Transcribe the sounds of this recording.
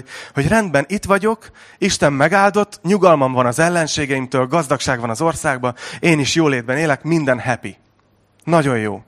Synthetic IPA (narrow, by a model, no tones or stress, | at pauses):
ho̞ɟrɛnd̪bɛnit̪ʋɒɟo̞k | iʃt̪ɛmːɛɡaːld̪o̞t̪ːɲuɡɒlmɒɱvɒnɒzɛlːɛnʃeːɡɛjimt̪øːlɡɒzd̪ɒkʃaːɡvɒnɒzo̞rsaːɡ̚bɒeːniʃjoːleːd̪bɛneːlɛkmind̪ɛnɦɛpi | nɒɟo̞jjo̰ː